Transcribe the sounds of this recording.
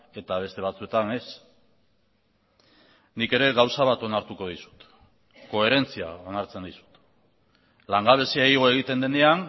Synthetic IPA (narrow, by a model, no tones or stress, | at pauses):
e̞t̪aβ̞e̞st̪e̞β̞at͡sue̞t̪ane̞s | nike̞ɾe̞ɣawsaβat̪o̞naɾt̪uko̞ð̞isu̥t̪ | ko̞e̞ɾe̞nt͡sia̰o̞naɾt͡send̪isu̥t̪ | laŋɡaβ̞e̞siaiɣ̞o̞e̞ɣ̞it̪e̞nd̪e̞ne̞an